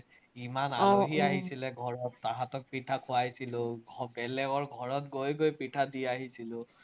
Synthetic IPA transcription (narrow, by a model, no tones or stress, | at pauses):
imanaoɦiaɦisilɛɡʱɔɹɔtːaɦatɔk̚pitʰakʰʊajsilʊɡʱɔbɛlɛɡɔɹɡʱɔɹɔtɡojɡojpitʰadiaɦisilʊ